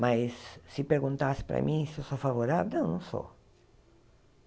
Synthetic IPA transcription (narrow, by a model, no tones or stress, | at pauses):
majsːɪpeɾɡũnt̪asɪ̥pɾɐ̰mʔĩsɪewsofavoɾavewnɐ̃w̃nɐ̃w̃so̰